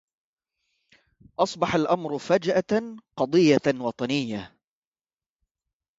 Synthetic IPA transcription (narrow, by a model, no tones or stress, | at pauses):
ʔɑsˤbɑħalʔamɾʊfad͡ʒʔaqɑd̪ˤɨjːawɑt̪ˤɑnɪjːa